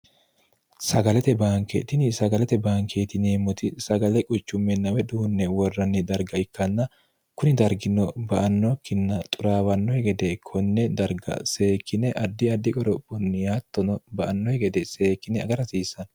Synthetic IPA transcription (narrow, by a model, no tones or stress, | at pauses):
sɐɡɐlɛt̪ɛbaːŋkḛt̪ɪnɪsɐɡɐlɛt̪ɛbaːŋkʰeːt̪ɪneːmːʊt̪ɪsɐɡɐlɛkʼʊt͡ʃːʊmːɛnːɐwɛd̪uːnːɛwɔrːɐnːɪd̪ɐɾɡɐɪkːɐnːɐ | kʊnɪd̪ɐɾɡɪnːɔbɐʔɐnːɔkːɪnːɐt̪ʼʊɾaːwɐnːɔhɛɡɛd̪ɛkʰɔnːɛd̪ɐɾɡɐ̰se̞ːkːɪnɛʔɐd̪ːɪɐd̪ːɪkʼɔɾɔpʼːʊnːɪjaːt̪ːɔnɔbɐʔɐnːɔhɛɡɛd̪ɛse̞ːkːɪnɛɐɡɐɾɐsiːsɐn